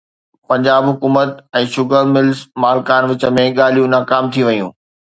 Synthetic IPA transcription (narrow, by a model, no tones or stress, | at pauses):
pɐ̃ɲd͡ʑaːbɦʊkuːmət̪ɛ̃ːʃʊɡʱəmɪlzmaːlkaːnʋɪt͡ɕə̆mẽɠaːl̤ijũnaːkaːmt̪ʰiʋɐjṵ̃ː